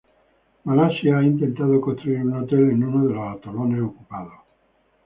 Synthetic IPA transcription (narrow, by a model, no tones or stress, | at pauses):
malasjaaint̪ent̪að̞okost̪ɾuiɾunot̪elenunoðeloat̪olonesokupaðo